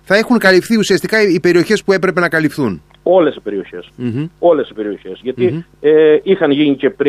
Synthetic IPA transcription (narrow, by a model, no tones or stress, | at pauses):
θɐe̞xuŋkɐlifθiusiɐst̪ikɐipe̞ɾio̞çe̞spue̞pɾe̞pe̞nɐkɐlifθun | o̞le̞si̥pe̞ɾio̞çe̞so̞le̞sipe̞ɾio̞çe̞sʝɐt̪ieixɐnʝinice̞pɾ